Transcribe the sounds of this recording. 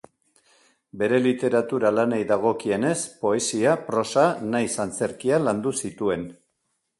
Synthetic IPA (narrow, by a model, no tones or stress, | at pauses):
be̞ɾe̞lit̪e̞ɾat̪uɾalanejðaɣ̞o̞kie̞ne̞spo̞e̞siapɾo̞sanajsant͡se̞ɾkialand̪usit̪ue̞n